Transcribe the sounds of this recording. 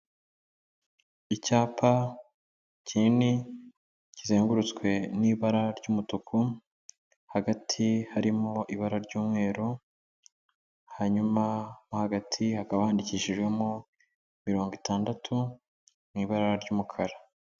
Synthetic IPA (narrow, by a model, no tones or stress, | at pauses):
icaːpʰa | cinni | cizeːŋɡuɾut͡skwe̞niːβaɾaɾɟuːmutukʰu | haɡatʰihaɾimoʔiβaɾaɾɟuːmŋe̞ːɾu | haɲumamahaɡatʰihakaβahaːndiciːʃiʒɡwe̞mo | miɾo̞ːŋɡwitaːndatʰu | niːβaɾaɾɟuːmukʰaɾa